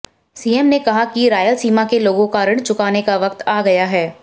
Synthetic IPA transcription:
siːɛmnekɐɦakiɾaːjəlsiːmakeloːɡõkaɾəɽ̃t͡ʃʊkaːnekaʋɐk̚t̪aːɡɐjaɦɛː

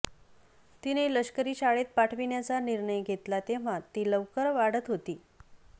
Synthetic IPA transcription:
t̪ineləɕkəɾiːɕaɭet̪̚paʈʰʋiɳjat͡saniɾɳəjɡʱet̪lat̪eʋ̤at̪ːiːləʋkəɾʋaɽət̪ɦot̪iː

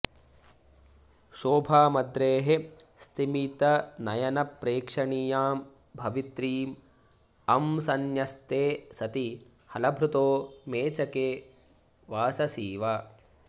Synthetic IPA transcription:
ʃoːbʱaːmɐd̪ɾeːɦe | st̪imit̪ɐnɐjɐnɐpɾeːkʂɐɳijaːm | bʱɐʋit̪ɾiːm | ɐmsɐnjɐst̪eːsɐt̪i | hɐlɐbʱɾut̪oːmeːt͡ʃɐkeː | ʋaːsɐsiːʋaː

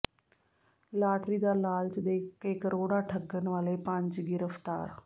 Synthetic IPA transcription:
laːʈɾiːd̪alaːlt͡ʃd̪eːkekɾʔoːɽaʈʰəɡːənʋaːlepãɲt͡ʃɡɪɾəft̪a̰ːɾ

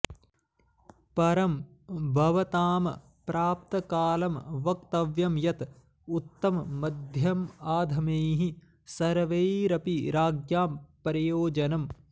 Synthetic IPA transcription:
pɐɾɐm | bʱɐʋɐt̪aːmɐ | pɾaːp̚t̪ɐkaːlɐmʋɐk̚t̪ɐʋjɐmjɐt̪ | ut̪ːɐmːɐd̪ʱjɐmaːd̪ʱɐmeːɦi | sɐɾʋeːɾɐpiɾaːɡjaːmpɐɾijoːd͡ʒɐnɐm

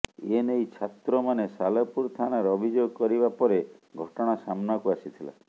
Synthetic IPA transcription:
enejt͡ʃʰat̪ɾɔmanesalɔpuɾt̪ʰanaɾɔbʱid͡ʒoɡɔkɔɾibapɔɾeɡʱɔʈɔɽ̃asamnakuasit̪ʰila̰

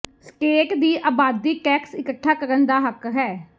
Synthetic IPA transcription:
sʈeːʈd̪iːʔaːbaːd̪iːʈɛːksɪkəʈʰːaːkəɾənd̪aːɦəkɦɛː

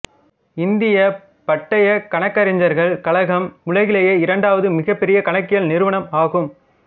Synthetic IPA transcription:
ɪnd̪ɪjɐ | pɐʈːɐjɐkɐɳɐkːɐɾɪɲd͡ʒɐɾɣɐɭkɐɭɐɣɐmʊɭɐɣɪlɐjeːɪɾɐɳɖaːʋɐðɯmɪɣɐpːɛɾɪjɐkɐɳɐkːɪjɐlnɪɾɯʋɐɳɐmaːɣɯm

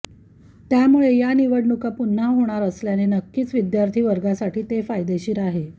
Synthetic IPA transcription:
t̪jamuɭejaniʋəɽɳukapun̤ːaɦoɽ̃aɾəsljanenəkːiːt͡sʋid̪jaɾt̪ʰiːʋəɾɡasaʈiːt̪efajd̪eɕiːɾaɦe

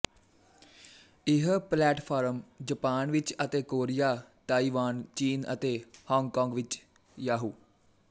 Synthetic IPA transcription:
ɪɦplɛːʈpʰaːɾəmd͡ʒəpaːnʋɪt͡ʃət̪eːkoːɾɪjaːt̪aːiːʋaːnt͡ʃiːnət̪eːhɔ̃ːŋɡkɔ̃ːŋɡʋɪt͡ʃ | jaːɦuː

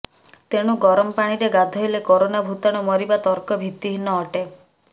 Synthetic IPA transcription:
t̪eɽ̃uɡɔɾɔmɔpaɽ̃iɾeɡad̪ʱɔɦilekoɾonabʱut̪aɽ̃ɔmɔɾibat̪ɔɾkɔbʱit̪iɦinɔːʈe

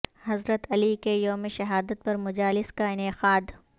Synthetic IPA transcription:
hɐzɾət̪ɐlikejoːmeʃɐɦaːd̪ət̪̚pɐɾmʊd͡ʒaːlɪskaɪnɪqaːd̪

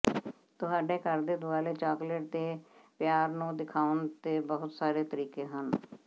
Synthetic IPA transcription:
t̪ʊɦaːɖeːkəɾd̪eːd̪ʊaːleːt͡ʃaːkləʈ̚d̪eːpjaːɾnũːd̪ɪkʰaːənt̪eːbəɦʊt̪saːɾeːt̪əɾiːkeːɦən

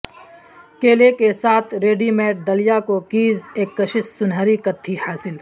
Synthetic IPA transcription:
keːlekesaːt̪ʰɾeːɖimɛːʈ̚d̪ɐlijakokiːzeːkːɐʃɪssʊnɦəɾikɐt̪ʰːihaːsɪl

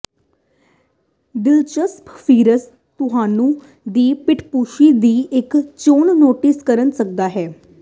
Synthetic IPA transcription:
d̪ɪlt͡ʃəspʰpʰiːɾəs | t̪ʊɦaːnũː | d̪iːpɪʈʰpuːʃiːd̪iːʔɪkt͡ʃoːnnoːʈɪskəɾənsək̚d̪aːɦɛː

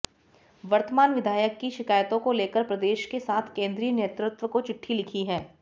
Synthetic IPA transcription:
ʋɐɾt̪əmaːnʋɪd̪ʱaːjəkːiʃɪkaːjt̪õkoleːkəɾpɾɐd̪eːʃkesaːt̪ʰkẽːnd̪ɾiːəneːt̪ɾʊt̪ʋəkot͡ʃɪʈʰːilɪkʰiɦɛː

